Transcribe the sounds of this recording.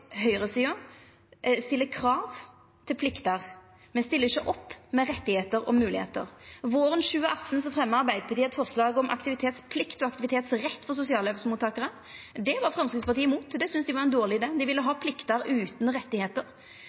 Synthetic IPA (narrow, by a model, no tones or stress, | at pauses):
hœʏʁəsiːʊ | st̪ɪlːəkʰɾɑːʋ | t̪ʰɪlpʰlɪkt̪əʁ | mɛnst̪ɪlːəɪçəʔɔpːmɛɾɛt̪ːɪheːt̪əɾɔ̰mːʉːlɪhḛːt̪ə̰ɾʋoːɾənɕʉːəʔɑt̪ːn̩sɔfʁɛmːəɑɾbæɪd̪əpʰɑt̪iːɛt̪fɔʁslɑːɡɔmʔɑ̰kt̪ɪʋɪt̪ʰeːt̪spʰlɪkt̪ɔɑkt̪ɪʋɪt̪ʰeːt̪sʁɛt̪ːfɔʁsʊsɪɑːløːpsmuːt̪ʰːɑːkəʁə | d̪ɛʋɑʁfɾʁɑmskɪt̪spɑt̪iːɪmuːt̪d̪ɛsʏnsd̪ɪʋɑʁɛnd̪oːʁlɪɪd̪eːd̪ɪʋɪlːəɦɑːpʰlɪkt̪əɾʉːt̪nɾɛt̪ːɪheːt̪əɾ